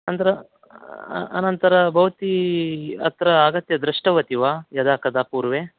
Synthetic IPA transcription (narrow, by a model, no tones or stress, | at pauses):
ɐnt̪ɐɾɐ | ɐ̰nɐnt̪ɐɾɐbʱɐʋɐt̪i | ɐ̰t̪ɾɐaːɡɐt̪jɐd̪ɾiʂʈɐʋɐt̪iʋaːjɐd̪aːkɐd̪aːpuːɾʋeː